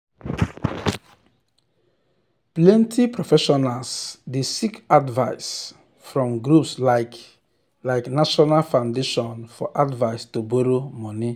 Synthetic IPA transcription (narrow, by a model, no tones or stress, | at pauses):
plɛ̃ntʰipɾɔfɛʃɔnalsdesikadvaɪs | fɾɔ̃mɡɾupsla | laɪknaʃɔnalfãʊndeʃɔ̃nfɔ̰ʔadvaɪstuboɾomɔ̃ni